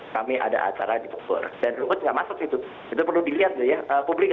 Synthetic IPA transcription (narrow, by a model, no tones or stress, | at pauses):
kamiʔa̰da̰ʔa̰t͡ʃaɾadifɔk̚bɔ̰rdanrumʊt̪̚ŋɡaʔmasʊk̚it̪u | it̪upərludiliat̪̚d͡ʒʊjaəpublɪk̚